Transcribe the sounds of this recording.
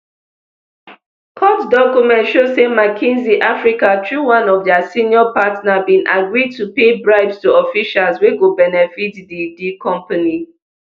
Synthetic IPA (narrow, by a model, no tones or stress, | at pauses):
kʰɔtdɔkjumɛ̃ntʃosemakʰĩnziʔafɹikatʰɹuwãnɔvdəsĩniɔpatnabĩnʔaɡɹid̚tupebɹaɪbstuɔfiʃalzweɡobɛnɛfitdidikʰɔ̃mpani